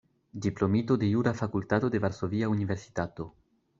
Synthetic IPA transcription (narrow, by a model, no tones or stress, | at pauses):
diplo̞mito̞de̞juɾafakultato̞de̞vaɾso̞viaunive̞ɾsi̥tato̞